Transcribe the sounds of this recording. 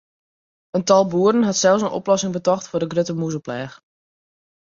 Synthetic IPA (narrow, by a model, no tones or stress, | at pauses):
əntɑlˠbuərdənɦɑtsɛlˠs̬ənʔo̰plɔsɪŋbətɔxtfʊrdəɡrøtəmuzəplɛːx